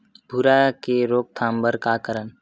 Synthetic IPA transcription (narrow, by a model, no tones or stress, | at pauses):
bʱuɾakeɾoːk̚t̪ʰãːmbəɾkakəɾən